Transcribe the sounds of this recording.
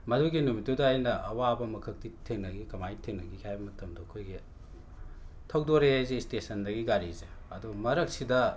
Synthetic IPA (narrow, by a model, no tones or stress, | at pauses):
mɐduɡinumitːudɐːjnɐʔɐwabɐmɐkʰɐk̚titʰeŋnɐɡikɐmajtʰeŋnɐɡikajbɐmɐtɐmdɐɐkʰojɡi | tʰɐwdoɾezestesɐndɐɡiɡaɾizeɐdumɐɾɐk̚sidɐ